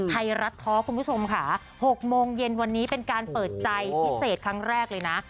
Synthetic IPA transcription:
t̪ʰa˧jɾa˦˥t̪ʰːɔː˦˥kʰu˧npʰu˥t͡ɕʰo˧mkʰa˦˥˩ | ho˨˩k̚moː˧ŋje˧nwa˧nːiː˦˥pe˧nkaː˧npɤː˨˩t̪̚t͡ɕa˧jpʰi˦˥seː˨˩t̪̚kʰɾa˦˥ŋɾɛː˥˩k̚lɤː˧jna˦˥

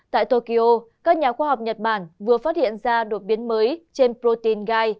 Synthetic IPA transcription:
t̪a̰ː˧˨jt̪o˧ki˧ʔo˧kaː˦˥k̚ɲaː˨˩xwaː˧ha˨˩wk͡p̚ɲə˨˩t̚ɓaː˧˩nvɨ˨˩əfaː˦˥t̚hḭ˧˨ənzaː˧ɗo˨˩t̚ɓi˨˦ənməː˨˦jt͡ɕe˧npɾo˧t̪i˧˩nɣaː˧j

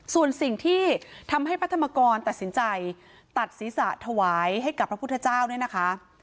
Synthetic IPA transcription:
su˨˩ənsi˨˩ŋt̪ʰiː˥˩t̪ʰa˧mha˥˩jpʰɾt̪ʰa˧maː˧kɔː˧nt̪a˨˩t̪̚si˩˦nt͡ɕa˧j | t̪a˨˩t̪̚siː˩˦sa˨˩ʔt̪ʰa˧waː˩˦jɦa˥˩jka˨˩pʰɾa˦˥pʰu˥˩t̪ʰːt͡ɕaː˥˩wnu˥˩əna˦˥kʰa˦˥

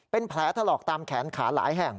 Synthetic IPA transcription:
pe˧npʰlɛː˨˦˥t̪ʰa˧lɔː˨˩k̚t̪aː˧mkʰɛː˩˦nkʰaː˩˦la̰ː˩˦jɦɛ˨˩ŋ

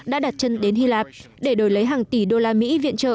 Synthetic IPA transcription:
ɗa̰ː˧˥ɗaː˨˩t̚t͡ɕə˧nɗe˨˦nhi˧laː˨˩p̚ | ɗe˧˩ɗo˨˩jlə˨˦jɦaː˨˩ŋt̪i˧˩ɗo˧laː˧mḭ˧˥vḭ˧˨ənt͡ɕə̰ː˧˨

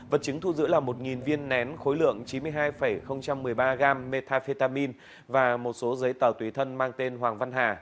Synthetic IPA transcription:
və˨˩t̚t͡ɕɨ˨˦ŋt̪ʰu˧zɨ̰˧˥laː˨˩mo˨˩t̚ŋi˨˩nvi˧ənːɛ˨˦nxo˨˦jlɨ̰˧˨əŋt͡ɕi˨˦nmɨ˧əjɦaː˧jfə˧˩jxə˧wŋ͡mt͡ɕa˧mːɨ˨˩əjɓaː˧ɣaː˧mːe˧t̪ʰaː˧fi˧t̪aː˧mi˧n | vaː˨˩mo˨˩t̚so˨˦zə˨˦jt̪əː˨˩wt̪wi˨˦t̪ʰə˧nmaː˧ŋt̪e˧nɦwaː˨˩ŋva˧nɦaː˨˩

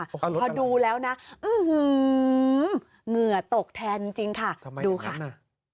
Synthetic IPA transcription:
pʰɔː˧duː˧lɛː˦˥wna˦˥ʔɯː˧˩hɯː˧ | ŋɯ˨˩ɐt̪o˨˩k̚t̪ʰɛː˧nt͡ɕi˧ŋt͡ɕi˧ŋkʰa˥˩duː˧kʰa˥˩

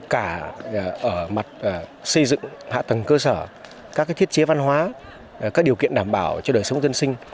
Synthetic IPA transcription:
kaː˧˩˨ʔəː˧˩ma˨˩t̚ːsə˧jzɨ̰˧˨ŋha̰ː˧˨t̪ə˨˩ŋkəː˧səː˧˩ | kaː˦˥k̚ːt̪ʰi˦˥t̚t͡ɕe˨˦va˧nɦwaː˨˦ | kaː˦˥k̚ɗi˨˩əwkḭ˧ənɗaː˧˩mɓaː˧˩wt͡ɕɔ˧ɗəː˨˩jsə˨˦wŋ͡mzə˧nsï˧ŋ̟

